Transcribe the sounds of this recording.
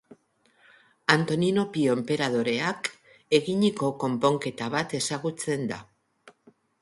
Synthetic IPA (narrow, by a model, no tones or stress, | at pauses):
ant̪o̞nino̞pio̞mpe̞ɾað̞o̞ɾe̞ak | e̞ɣiɲiko̞ko̞mpo̞ŋke̞t̪aβ̞at̪e̞saɣut͡se̞nd̪a̰